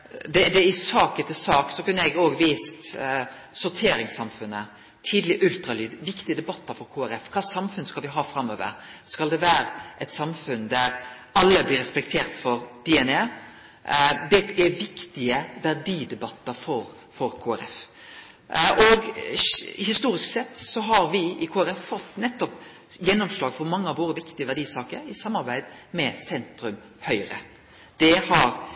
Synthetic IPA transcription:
d̪ɛd̪ɛɪsɑːkət̪ʰɪlsɑːksɔkʉnːəɛɡoːɡʋiːst̪ | sʊɾt̪ʰeːɾɪŋsɑmfʉnə | t̪ʰiːd̪lɪʔʉlt̪ɾɑlyːd̪ʋɪkt̪ɪəd̪ɛbɑt̪ːəɾfɔɾkʰoːæɾɛfkʰɑːsɑmfʉnskɑlʋɪɦɑːfɾɑmːøːʋə̰ɾskɑld̪ɛʋæːɾəʔɛt̪sɑmfʉnd̪æɾ | ɑlːəblɪɾɛspɛk̚t̪ʰeːɾt̪fɔɾd̪̥iɛne | d̪ɛɛʋɪkt̪ɪəʋæʁdiːd̪ɛbɑt̪ːəɾfɔɾ | fɔɾkʰoːæɾɛf | ʔɔɡ | hɪst̪uːɾɪsksɛt̪ːsɔɦɑɾʋɪɪkʰoːæɾɛfːɔt̪ːnɛt̪ːɔp | jɛnːɔmslɑːɡfɔɾmɑŋːəɑʋʋoːd̪əʋɪkt̪ɪəʋæʁdɖiːsɑːkəɾɪsɑmːɑɾbæɪd̪mɛsɛnt̪ɾʉm | hœʏɾə̰ | d̪̥ɛhɑɾ

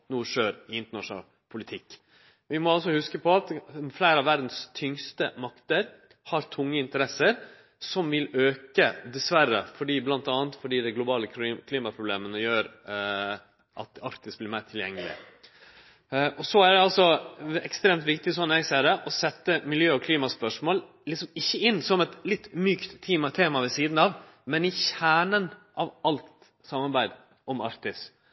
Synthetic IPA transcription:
nuːʂøːɾɪɪnt̪əɳɑʂʊnɑ̰ːl | pʰʊlɪt̪ʰɪkː | ʋɪmɔɑls̬ɔhʉskəpʰɔɑt̪flæɪɾɑʋæɾd̪n̩st̪ʰʏŋst̪əmɑkt̪əɾ | hɑɾt̪ʰʊŋːəɪnt̪əɾɛsəɾ | sɔmʋɪløːkəd̪ɛsʋæɾəfɔɖiːblɑnt̪ɑːnt̪fɔɖiːd̪ɛɡlʊbɑːləkʰlɪːmɑpʰɾʊbleːmənəjøːɾ | ʔɑ̰t̪ɑɾt̪ɪsblɪːɾmæɪt̪ʰɪljɛŋːəlɪ̰ | ɔsɔæɖɛɑlsɔɛkst̪ɾeːmt̪ʋɪk̚t̪ɪsɔnːɛɡsæːɾɛʔɔsɛt̪ːəmɪljøːɔkʰliːmɑspœʂmoːl | lɪksɔmɪçːəɪnːsɔmɛt̪lɪt̪ːmyːkt̪ʰːiːmɑt̪ʰeːmɑʋɛsiːd̪nɑʋ | mɛnɪçæːɳənʔɑʋɑlt̪ | sɑmːɑɾbæɪd̪ | ɔmɑɾkt̪ɪs

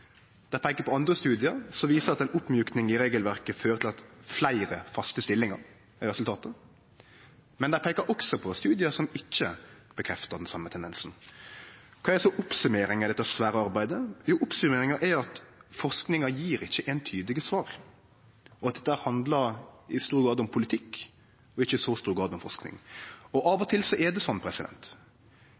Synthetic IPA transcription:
d̪̥ɛæɪpʰeːkːəɾpʰɔɑnd̪ɾəst̪ʉːd̪ɪəɾsɔʋiːsəɾɑt̪ɛnʊpːmjʉːknɪŋɪɾeːɡəlʋæʁkəføːɾət̪ʰɪlɑt̪flæɪɾəfɑst̪əst̪ɪlːɪŋɑɾ | æɪɾɛsʉlt̪ʰɑːt̪ə | mɛnd̪æɪpʰeːkəɾʔɔksɔpʰɔst̪ʉːd̪ɪəsɔmɪçːəb̥əkʰɾɛft̪əd̪ɛnsɑmːət̪ʰɛnd̪ɛnsn̩ | kʰɑːɛɛsɔʔʊpsʉmeːɾɪŋɪd̪ɛt̪ːəsʋæːɾəɑɾbæɪd̪əjuːʔʊpsʉmeːɾɪŋɑʔɛɑt̪fɔʁsknɪŋɑjiːɾɪçːəʔɛnt̪ʰyːd̪ɪɡəsʋɑːɾ | ɔɑt̪̚d̪ɛt̪ːəæːɾhɑnd̪ləɾɪst̪uːɾɡɾɑːd̪ʊmpʰʊlɪt̪ʰɪkː | ɔɪçːəst̪uːst̪uːɾɡɾɑːd̪ɔmfɔɾʂknɪ̰ŋɔʔɑːʋɔt̪ʰɪlsɔʔɛd̪ɛsɔnːpʰɾɛsɪd̪ɛ̰nt̪

